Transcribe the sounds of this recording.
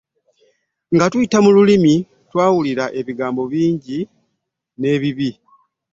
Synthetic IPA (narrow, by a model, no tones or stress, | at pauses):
ŋɡatuitamululimi | twaːwuliɾaʔe̞βiɡaːmbo̞βiːɲɟi | ne̞ːβiβi